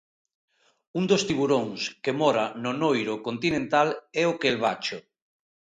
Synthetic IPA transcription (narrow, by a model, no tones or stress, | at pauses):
und̪ost̪iβuɾoŋskemɔɾanonojɾokont̪inẽnt̪alɛokelβat͡ʃʊ